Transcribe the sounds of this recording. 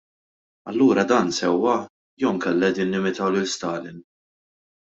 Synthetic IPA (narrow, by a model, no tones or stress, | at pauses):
ɐ̰lːuːɾɐd̪ɐːnsɛwːɐ | jɔwmkɛlːɐɛd̪iːnːɪmɪt̪ɐwlɪlst̪ɐːlɪn